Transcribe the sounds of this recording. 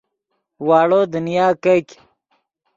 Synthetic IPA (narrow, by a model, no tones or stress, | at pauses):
waːɽoːd̪unijaːkɐk